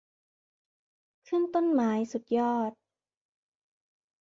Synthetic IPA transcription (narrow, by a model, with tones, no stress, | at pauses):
kʰɯ˥˨nt̪o˥˨nmaː˩˦jsu˨˩t̪̚jɔː˥˩t̪̚